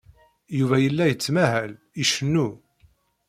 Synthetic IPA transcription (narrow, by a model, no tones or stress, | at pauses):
juvæjəlːæjət͡sːmæhæl | iʃənːu